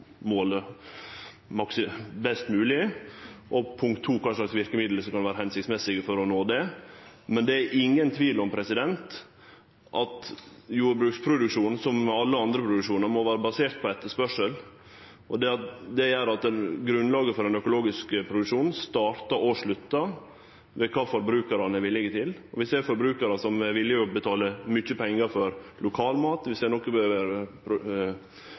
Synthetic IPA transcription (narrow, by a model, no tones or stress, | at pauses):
moːlə | mɑksɪbɛst̪mʉːlɪʔɔpʰʊŋkt̪ʰːuːkʰɑnʂlɑksʋɪɾkəmɪd̪ləsɔmkɑnʋæːɾəhɛnsɪkt̪smɛsɪɡəfɔɾɔnoːd̪ɛmɛnd̪ɛæɾʔɪŋːənt̪ʰʋiːlɔmpʰɾɛsɪd̪ɛnt̪ | ʔɑt̪juːɾbɾʉːkspʰɾʊd̪ʉkʂuːnnsɔmːɛɑlːəɑnd̪ɾəpʰɾʊd̪ʉkʂuːnəɾmɔʋæːɾəbɑseːɾt̪̚pʰɔɛt̪ːəspœʂəl | ʔɔd̪ɛɑt̪d̪ɛæɾɑt̪ɛnɡɾʉnlɑːɡəfɔɾɛnœkʊloːɡɪskəpʰɾʊd̪ʉkʂuːnn̩st̪ɑːɾt̪ɑʔɔʂɭʉt̪ːɑ | ʋɛkʰɑːfɔɾbɾʉːkɑɾɑnəʋɪlːɪɡət̪ʰɪlɔʋɪseːɾfɔɾbɾʉːkɑɾəsɔmɛʋɪlːɪɔbət̪ʰɑːləmʏçːəpʰɛŋːɑɾfɔɾlʊkʰɑːlmɑːt̪ʋɪsænɔkːəbəøːʋəɾəpʰɾʊ